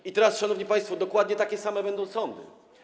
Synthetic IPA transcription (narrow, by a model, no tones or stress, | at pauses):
it̪ɛɾasʂanɔvɲipaj̃st̪fɔd̪ɔkwad̪ɲɛt̪akʲɛsamɛbɛnd̪ɔ̃w̃sɔnd̪ɘ̰